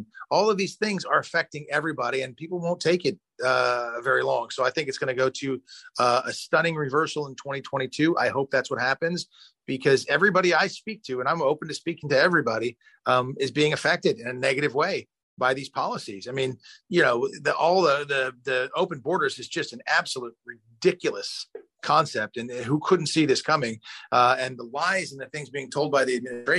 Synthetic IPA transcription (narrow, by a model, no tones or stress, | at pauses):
ɔlˠʌvðiz̥θɪ̃ŋzə˞ɨfɛk̚tɪ̃ŋɛvɹibɑɾiɨ̃npipl̩ˠwõʊ̃ntʰeɪkɨt̚ | ʌvɛɹilɔ̃ŋsoʊaɪθɪ̃ŋkɨtsɡ̥ʌnɨɡoʊɾɨʌəstʌ̃ɾ̃ɪ̃ŋɹɨvɜ˞sl̩ˠə̃ntʰw̥ɛ̃ɾ̃itʰw̥ɛ̃ɾ̃itʰʉʔa̰ɪhoʊp̚ðætswʌt̚hæpɨ̃nz | b̥ɨkʰʌzɛvɹibɑɾiaɪspik̚tʰʉɨ̃ñãɪ̃moʊpn̩tʰɨspikɪ̃ŋtɨɛvɹibɑɾi | mɪzbiɪ̃ŋɨfɛk̚tɨɾɨ̃nɨnɛɡɨɾɨvweɪ | baɪðiz̥pʰɑlˠəsizaɪmĩnjɨnoʊðʔɔlˠðəðəðioʊpɨ̃n̩bɔɹɾə˞zɨzd͡ʒʌstn̩æb̥səlut̚ɹɨ | dɪkjl̩ˠəs | kʰɑ̃nsɛp̚tɨ̃nɦukʰʊdⁿn̩tsiðɪskʰʌmɪ̃ŋɨ̃nðəlaɪzn̩ðɨθɪ̃ŋzbiɪ̃ŋtʰoʊlˠd̚baɪðiɨd̚mɪnɨstɹ̥eɪ